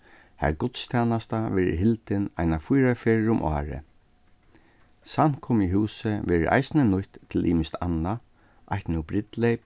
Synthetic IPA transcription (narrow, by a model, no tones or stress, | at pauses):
hæ̰ɾɡʊt̪st̪ʰjaːnast̪aʋɛːɾɪ̰ɦɪlt̪ɪna̰jnafujɾafeːɹɾʊmʔɔ̰ːɹɪ̰ | san̥kʰʊmiɦuːsəʋɛːɹɪ̰ʔa̰jsnənʊjht̪ʰːɪlʔḭːmɪst̪ʰa̰na | ʔajht̪nubɾɪt̪lejp